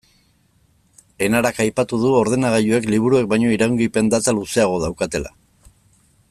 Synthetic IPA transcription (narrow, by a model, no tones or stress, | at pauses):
e̞naɾakajpat̪uð̞uo̞ɾð̞e̞naɣ̞aʎue̞kliβ̞uɾue̞k̚bajɲo̞iɾauŋɡipe̞nd̪at̪aluse̞aɣ̞o̞ð̞awkat̪e̞la̰